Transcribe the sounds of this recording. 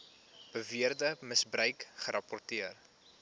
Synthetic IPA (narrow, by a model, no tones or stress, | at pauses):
b̥əviərdəməsbrœɥkχəɾʔɐpɔrtiər